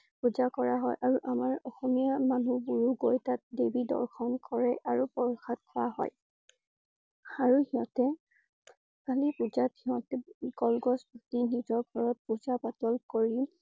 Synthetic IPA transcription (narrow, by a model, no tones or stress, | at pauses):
puzakɔɹaɦɔjʔaɹuʔamaɹɔxɔmijamanubuɹuɡojtat̚debidɔ̰ɹkʰɔnkɔɹɛʔaɹupɔɹxʰat̚kʰɔwa̰ɦɔ̰j | aɹuhiɦɔ̃tɛ | kalipuzathiɦɔ̃tɛkɔlɡɔsbʱutinizɔɹɡʱɔɹɔt̚puzapatɔlkoɹi